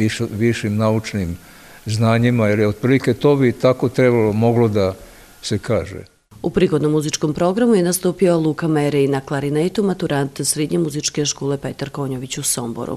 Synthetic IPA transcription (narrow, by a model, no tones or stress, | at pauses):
iʋiʃimnaut͡ʃnim | znaːɲimailiod̪̚pɾiːliket̪oːbit̪akot̪ɾebalomo̞ɡlod̪a | sekaːʒḛ | upɾiːɡo̞d̪no̞mːuzit͡ʃko̞mpɾo̞ɡɾamujenast̪uːpiolˠukameɾɛinaklˠaɾinet̪umat̪uɾant̪sɾed̪ɲemuzit͡ʃke̞ʃkoːle̞pet̪aɾko̞ːɲoʋit͡ɕusombo̰ɾṵ